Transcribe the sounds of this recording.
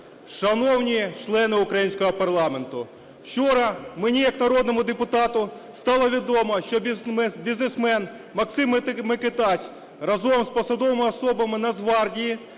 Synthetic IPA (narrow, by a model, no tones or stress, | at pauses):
ʃɐnɔwnʲit͡ʃlˠɛnɪʊkɾɐjinʲsʲkɔɦɔpɐrlˠɑment̪ʊ | wt͡ʃɔɾɐmenʲijɐknɐɾɔd̪̚nɔmʊd̪epʊt̪ɑt̪ʊst̪ɑlˠɔʋʲid̪ɔmɐʃt͡ʃɔbʲiznesmɛn | mɐksɪmmeket̪ɑsʲ | rɐzɔmspɐsɐd̪ɔʋɐmɪɐsɔbɐmɪnɐzʋɑrdʲiji